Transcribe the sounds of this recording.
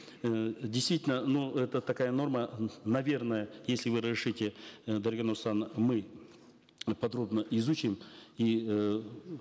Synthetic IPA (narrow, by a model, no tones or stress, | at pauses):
dʲɪjst̪vʲitʲɪlʲnənuɛt̪ət̪ɐkajəno̞rmənɐvʲe̞rnəjəjesʲlʲɪvɨɾəzɾʲɪʂɨtʲɪd̪ɐɾʲɡanoɾsanmɨ | pɐd̪ɾo̞bnəʔɪzut͡ɕɪmi